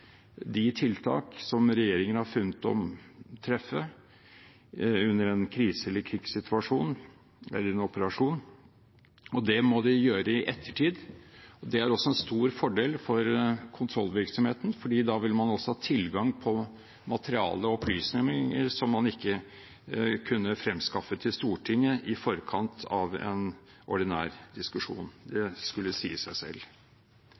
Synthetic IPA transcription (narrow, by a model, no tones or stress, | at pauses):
d̪ɪt̪ʰɪlt̪ʰɑ̰ːksɔmɾɛjeːɾɪŋənəhɑɾfʉnːət̪ɔ̰mt̪ʰɾɛfːə | ʉnːəɾɛnkʰɾiːsəɛlːəɾkʰɾɪɡsɪt̪ʰʉɑʂuːn | ɛ̰lːəɾɛnɔpəɾɑʂuːn | ɔd̪ɛmɔd̪ɪjøːɾəɪʔɛt̪ʰːəʈʰiːd̪ɔd̪ɛæɾɔsːɔɛnst̪uːɾfɔɖeːlfɔɾkʰʊnt̪ʰɾɔlːʋɪɾksɔmheːt̪n̩fɔɖiːd̪ɑʋɪlmɑnɔsːɔhɑːt̪ʰɪlɡɑŋpʰɔ | mɑt̪əɾɪɑ̰ːləɔpʰlyːsnɛmɪŋə̰ɾʂɔmːɑnɪkːə | kʰʉnːəfɾɛmskɑfət̪ʰɪlst̪uːʈʰɪŋːəʔɪfɔɾkʰɑnt̪ʰɑʋɛ̰n | ɔɖɪnæ̰ːɾd̪ɪskʉʂṵːnd̪ɛskʉlːəsḭːəsæɪsɛ̰lː